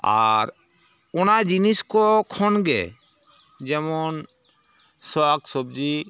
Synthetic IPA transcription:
a̰ɾ | ɔnad͡ʒiniskɔkʰɔnɡɛ̰ | d͡ʒɛmɔn | sɔksɔb̚d͡ʒi

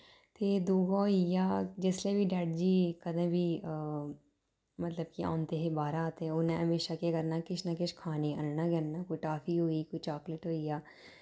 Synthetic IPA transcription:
t̪eːd̪uːɡãːijaːd͡ʒɪsleːbiːɖɛːʈ̚d͡ʒiːkəd̪ãːbʱiːə | mət̪ləbkiã̰ːnt̪eːɦeːbaːɾaːt̪ẽːʊnẽːɦəmeːʃaːkeːkəɾnaːkɪt͡ʃʰnaːkɪʃkʰaːneːənnãːɡənnaːkoːiʈaːfiːɦoːiːkoiːt͡ʃaːklɪʈɦoːiːjaː

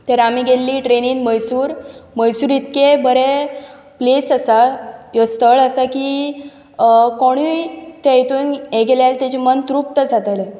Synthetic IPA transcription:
t̪eɾamiːɡelːiːʈɾeniːnməjsuːɾməjsuːɾit̪kebəɾe | plesəsajɔst̪əɭəsakiː | koɽ̃it̪ajet̪uːneɡeljalt̪et͡ɕimənt̪ɾup̚t̪əd͡zʱat̪ale

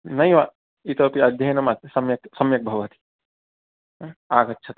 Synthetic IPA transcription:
nɐjʋa | it̪oːpiɐd̪ʱjɐjnɐmaːt̪sɐmjɐk̚sɐmjɐk̚bʱɐʋɐt̪i̥ | aːɡɐtːʃʰɐt̪

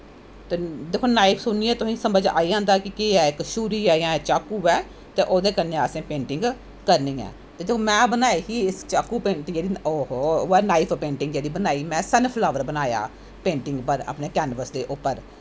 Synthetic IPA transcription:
t̪eːd̪eːkʰoːnaːɪpʰsʊniːɛːt̪ʊsĩːsəməd͡ʒa̰ːiãːnd̪aːkɪkeɛːɪkʃuːɾiːɛːjãːt͡ʃaːkːuːɛː | t̪eːʔoːd̪eːkəɾneəsẽːpẽːɳʈɪ̃ŋɡ | kəɾniːɛ̰ː | t̪eːd̪eːkʰomɛ̃ːbənaːiːɦiːɪst͡ʃaːkːuːpẽːʈ̪d͡ʒeːdioːɦoɛːnaːɪpʰpẽːɳʈɪ̃ŋɡd͡ʒeːdiːbənaːiːmɛ̃ːsɛnpʰlaːʋəɾbənaːja̰ː | pẽːɳʈɪŋɡpəɾə̰ːpneːkɛːnbəsd̪eːʔʊpːəɾ

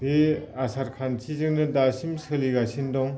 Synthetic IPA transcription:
beasʰaɾkʰant͡ɕʰizɯŋnɯdasimsʰɯliɡasʰindɔŋ

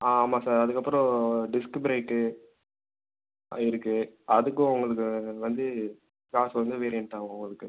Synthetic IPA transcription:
aːmaːsaːɾɐðɯkːɐpːɯɾɔ̃ɖɪskɪpɪɾeɪʈːɯ | ɪɾɯkːɯɐðɯkːɯ̃ʊŋɡɐɭɯkːɯʋɐnd̪ɯ | kaːsɐʋɐnd̪ɯʋeːɾɪjɛɳʈaːʋõʊŋɡɐɭɯkːɯ

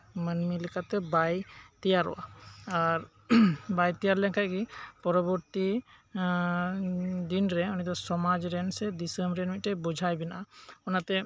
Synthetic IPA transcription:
mənmilɛkat̪ɛbajt̪ijaɾɔ̰waaɾ | bajt̪ijaɾlɛnkaɡipɔɾɔbɔɾt̪i | d̪inɾɛɔnid̪ɔsɔmad͡ʒɾɛnsɛd̪isəmɾɛnmit̪̚ʈɛbɔd͡ʒʱajbɛnaʔaɔnat̪ɛ

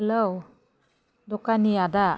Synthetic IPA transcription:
ɛlow | d̪ɔkanijad̪a

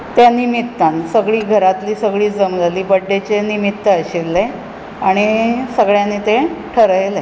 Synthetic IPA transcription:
t̪janimit̪ːãnsəɡɭiːɡʱəɾat̪liːsəɡɭiːd͡zəmd͡zaliːbəɖːet͡ɕenimit̪ːəəɕilːe | aɽ̃isəɡɭjanit̪eʈʰəɾəjle

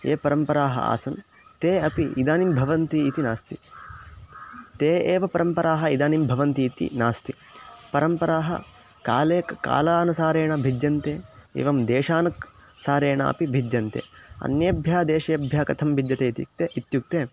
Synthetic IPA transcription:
eːpɐɾɐmpɐɾaːɦɐ̰a̰ːsɐn | t̪eːɐpiid̪aːnimbʱɐʋɐnt̪iːt̪inaːst̪i | t̪eːeːʋɐpɐɾɐmpɐɾaːɦɐid̪aːnimbʱɐʋɐnt̪iːt̪ḭnaːst̪i | pɐɾɐmpɐɾaːɦɐ̰ | ka̰ːleːkka̰ːlaːnɐsaːɾeːɳɐbʱid̪jɐnt̪eːḛːʋɐmd̪eːʂaːnɐk | saːɾeːɳɐ̰ɐ̰pibʱid̪jɐnt̪ḛːɐ̰njɐbʱjaːd̪eːʃɐjɐbʱjaːkɐt̪ʰɐmbʱid̪jɐt̪eːit̪j̰k̚t̪eʔit̪juk̚t̪eː

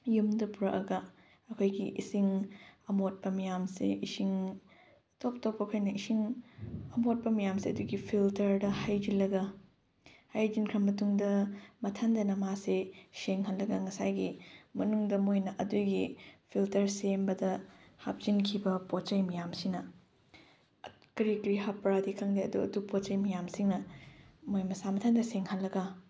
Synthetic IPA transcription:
jumdɐpuɾɐʔɐɡɐ | ɐkʰojɡiʔisiŋɐmot̚pɐmijamsḭisiŋ | top̚topːɐkʰojnɐisiŋɐmot̚pɐmijamsiɐduɡipʰiltɐɾdɐhajd͡ʒilɐɡɐ | hajd͡ʒinkʰɾɐmːɐtuŋdɐmɐtʰandɐnɐmaseseŋɦɐnlːɐɡɐŋɐsajɡimɐnuŋdɐmojnɐʔɐdujɡipʰiltɐɾsembɐdɐha̰p̚z̥inkʰibɐpott͡ʃɐjmɐjamsinɐ | kɾikɾiɦapːɾadikʰɐŋdiɐ̰duɐ̰dupot͡ʃɐjmɐjamsiŋnɐmojmɐsamɐtʰandɐseŋhɐnlːɐɡɐ

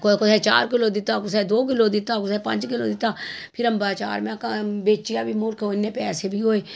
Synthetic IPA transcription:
kokʊsɛːt͡ʃa̰ːɾkɪloːd̪ɪt̪aːkʊsɛːd̪oːk̬ɪloːd̪ɪt̪aːkʊsɛːpə̃nd͡ʒkɪlo̰ːd̪ɪt̪aːpʰɪɾəmbaːt͡ʃa̰ːɾmɛ̃kabeːt͡ʃɪjaːbʱiːmʊɾkʰoːɪnːẽːpɛːseːbʱiːɦoːeː

